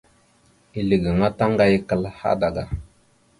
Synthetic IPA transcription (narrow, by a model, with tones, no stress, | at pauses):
i˨li˨ɡə˨ŋa˦ta˦ŋɡa˦jkə˨lha̰˦da˨ɡa˨